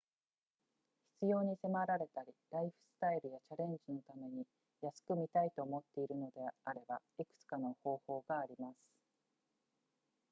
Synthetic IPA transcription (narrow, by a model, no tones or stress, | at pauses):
çi̥t͡sɨjo̞ːɲ̟ise̞maɾaɾe̞t̪aɾʲiɾaiɸɯ̟̥sɨ̥t̪aiɾɯ̟jat͡ɕaɾẽ̞ɲ̟d͡ʑino̞t̪ame̞ɲ̟i | jasɨ̥kɯ̟mʲit̪ait̪o̞ːmo̞t̪ːe̞iɾɯ̟no̞d̪e̞aɾe̞ba | ikɯ̟̥t͡sɨ̥kano̞ho̞ːho̞ːɡaːɾʲimasɨ̥